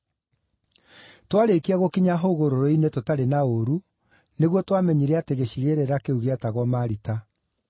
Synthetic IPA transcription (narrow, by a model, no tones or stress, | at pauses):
twaɾekiaɣokiɲaɦoɣoɾoɾoinetotaɾenaoɾu | neɣwɔtwamɛɲiɾɛateɣeɕiɣeɾeɾakeuɣeataɣwɔmaːɾita